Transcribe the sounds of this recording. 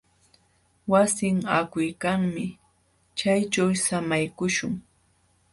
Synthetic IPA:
wasɪŋakʊjkaŋmɪ | t͡ʃajt͡ʃawsamajkʊʃʊŋ

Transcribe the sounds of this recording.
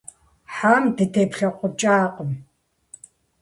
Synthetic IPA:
ħaːmdɐtʰeːpɬɐqʷʊt͡ʃʼaːqʼəm

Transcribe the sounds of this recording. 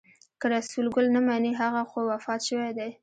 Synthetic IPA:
kəɾasulɡʊlnamaneɦaɣaxowafɑt̪ʃəwajd̪aj

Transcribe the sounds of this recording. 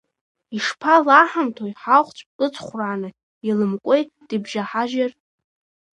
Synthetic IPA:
iʂpʰalaħamtʰojħaχʷt͡ɕʷʼɨt͡sʰʼχʷraːnɨ | ilɨmkʷʼejt | d̥ibʒaħaʒar

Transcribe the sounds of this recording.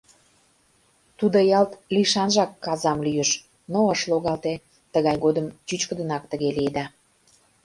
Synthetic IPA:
t̪ud̪əjɑlt̪liʃɑnʒɑkːɑzɑmlyjəʃ | noəʃloɣɑlt̪e | t̪əɣɑjɣod̪əmt͡ɕyt͡ɕkəd̪ə̆nɑkt̪əɣelied̪ɑ

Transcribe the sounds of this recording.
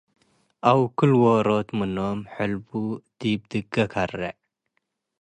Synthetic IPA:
awkɨlwoɾot̪mɨnomħəlbud̪̥ib̚d̪ɨɡɐkʰarːḛ

